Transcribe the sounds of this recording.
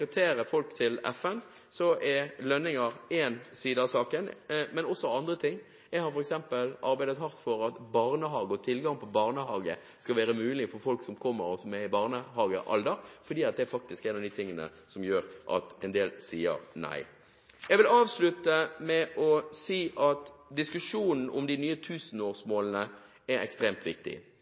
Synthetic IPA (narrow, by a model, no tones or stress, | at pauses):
əp̚t̪ʰeːɾəfɔlkt̪ʰɪlɛfɛn | sɔʔɛɾlœnːɪŋəɾɛnsiːd̪əɑsɑːkənmɛnɔsːɔɑnd̪ɾət̪ʰɪŋː | jɛɡhɑɾfɔɾɛksɛmpəlɑ̰ɾbæɪd̪ət̪hɑʁt̪fɔɾɑt̪bɑʁnəɦɑːɡəɔt̪ʰɪlɡɑŋpʰɔbɑːʁnəhɑːɡə̰ | skɑʋæːɾəmʉːlɪfɔɾfɔlksɔmkʰɔmːəɾɔsɔmːɛɪbɑːʁnəhɑːɡəʔɑ̰ld̪əɾfɔʁd̪iːɑt̪̚d̪ɛæɾfɑk̚t̪ɪskæɪnɑʋd̪iːt̪ʰɪŋːənə̰sɔmjøːɾʔɑ̰t̪ɛnd̪eːlsiːə̰ɾnæ̰ɪ | jɛɪɡʋɪlɑːʋslʉt̪əmɛʔɔsiːʔɑt̪d̪ɪskʉʂuːnn̩ʔʊ̰md̪ɪnyːət̪ʰʉːsən̩oːʁsmoːlnə | æɾɛ̰kst̪ɾeːmt̪ʋɪk̚t̪ɪ̰